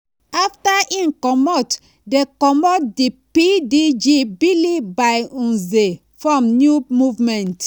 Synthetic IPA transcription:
aftaʔĩnkɔmɔt | dekɔmɔt̚dipidid͡ʒibilibaɪũze | fɹɔ̃mnjumuvmɛ̃nt

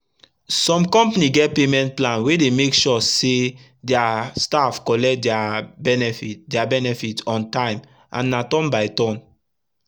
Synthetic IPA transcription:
sɔ̃mkɔ̃mpaniɡɛt̚pemɛ̃ntplãnwedemekʃɔse | dɛastafkɔlɛk̚dɛabɛnɛfitdɛabɛnɛfitɔ̃ntãɪ̃m | ʔã̰nːatɔ̃nbaɪtɔ̃n

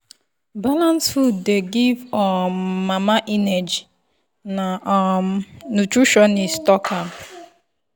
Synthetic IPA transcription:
balãnsfudeɡivɔmmamaʔinɛd͡ʒi | naɔmnutɾuʃɔnistɔkʰap

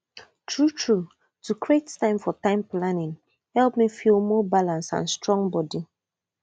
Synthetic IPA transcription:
tʰɹutɹu | tukɹettãɪ̃mfɔtãɪ̃mplanɪ̃ŋ | hɛlˠpmifilˠmɔːbalãnsã̰nstɹɔ̃ŋbɔdi

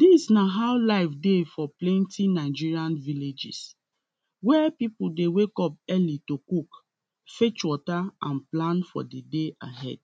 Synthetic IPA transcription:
d̥isnaɦaʊlaɪfdefɔplɛ̃ntinaɪd͡ʒiɹiãnviled͡ʒḭs | wɛpipudewekɔp̚ɛlitokuk | fet͡ʃwɔtaãnplãnfɔ̰dedeʔaɦɛ̰d̥̚

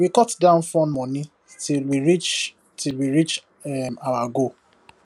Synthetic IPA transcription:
wikɔtdãʊ̃nfɔ̃nmɔ̃ni | tilwiɹit͡ʃ | tʰilwiɹit͡ʃ | ɛmawaɡo

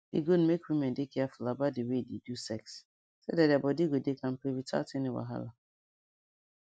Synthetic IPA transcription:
dɪ̰ɡud̩mekwimɛ̃ndɪkʰɛafulabat̚dewedidusɛks | sodadabɔdiɡodekãm̩pɾewita̰teniwa̰ɦa̰la

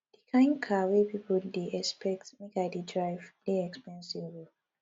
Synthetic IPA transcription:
d̥ikʰãɪ̃nkʰawepipʰoldeʔɛspɛk̚tmekaɪdidɹaɪvdeɛkspɛ̃nsiv

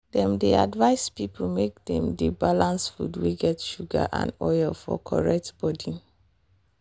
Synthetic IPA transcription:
dɛ̃mdea̰dvaɪspipʰl̩mek̚dɛ̃mdebalãnsfṵdwiɡɛtʃuɡa̰ʔã̰ndɔjlfɔ̰kʰɔɹɛk̚tb̥ɔdi

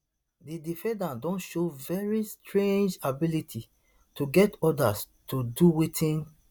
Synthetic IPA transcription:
didifɛ̃dãndɔ̃nʃovɛɹistʰɹẽnd͡ʒabilitʰi | tʰuɡɛtɔdas | tuduwetʰĩn

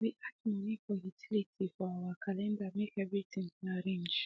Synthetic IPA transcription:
wiʔat̚mɔ̃nĩkɔjitʰilitʰifɔawakʰalɛ̃ndamekɛvɾitĩŋnaɾẽnd͡ʒ

